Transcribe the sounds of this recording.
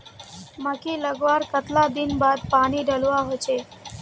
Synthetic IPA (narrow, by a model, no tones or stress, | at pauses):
məkiləɡʋaɾkət̪lad̪inbad̪paɽ̃iɖəlʋaɦojt͡ʃʰe